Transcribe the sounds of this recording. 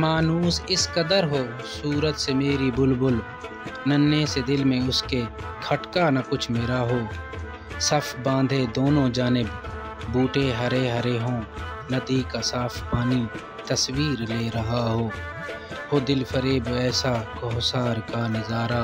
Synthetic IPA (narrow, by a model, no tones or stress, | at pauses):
maːnuːsɪskəd̪əɾɦoː | suːɾət̪semeːɾibʊlbʊl | nənːesed̪ɪlmẽʊske | kʰəʈkanɐkʊt͡ʃʰmeːɾaɦoː | səpʰbãːnd̪ʱed̪oːnõd͡ʒaːnɪbː | uːʈeɦəɾeɦəɾeɦõː | nəd̪ikasaːpʰpaːni | t̪əswiːɾleːɾəɦaɦoː | ɦoːd̪ɪlpʰəɾeːbɛːsakoːɦsaːɾkanɪzaːɾaː